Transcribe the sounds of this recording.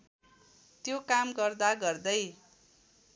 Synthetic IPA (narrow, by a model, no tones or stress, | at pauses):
t̪jokamɡʌrd̪aɡʌrd̪ʌj